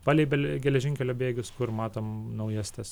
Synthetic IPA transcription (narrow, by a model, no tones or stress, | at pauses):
pɑːlʲɛɪbʲɛlɡʲɛlʲɛʒʲɪŋʲkʲɛlʲoːbʲeːɡʲʊskʊɾmɑːt̪oːmnɐʊjɛsʲt̪ʲɛs